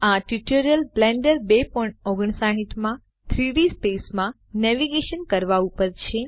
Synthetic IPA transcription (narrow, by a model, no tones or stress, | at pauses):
aʈiʈoɾəlblɛ̃ɳɖəɾbepɔĩɳʈɔɡəɳ̃saɦiʈ̪mã | t̪ʰɾiɖispesmã | nɛʋiɡeʃənkəɾʋaupəɾt͡ʃʰe